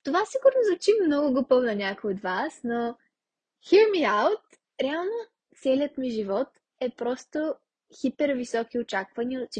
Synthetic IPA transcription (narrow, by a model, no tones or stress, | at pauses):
t̪ovasiɡʊɾnozvɐt͡ʃimnɔɡʊɡopəvnɐnʲakojod̪vasno | xiɾmiawt̪̚ | ɾɛalˠno | t̪sɛliət̪miʒivɔt̪ | ɛpɾɔst̪o | xipɛɾvisɔkiot͡ʃakvɐnit͡ʃ